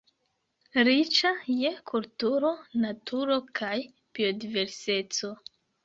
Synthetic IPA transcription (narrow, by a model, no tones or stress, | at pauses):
ɾit͡ʃaje̞kʰultuɾo̞natʰuɾo̞kʰaj | b̥iodive̞ɾse̞t͡so̞